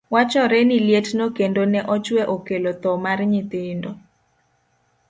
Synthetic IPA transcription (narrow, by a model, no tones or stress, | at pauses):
wat͡ʃɔɾɛniljetnokendonɛʔɔt͡ʃwɛʔokelot̪ɔmarɲit̪ɪndo